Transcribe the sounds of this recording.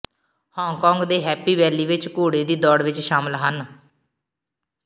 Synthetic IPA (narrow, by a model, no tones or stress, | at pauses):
hɔ̃ːŋkɔ̃ːŋɡd̪eːɦɛːpiːʋɛːliːʋɪt͡ʃkoːɽeːd̪iːd̪ɔːɽʋɪt͡ʃʃaːməlɦən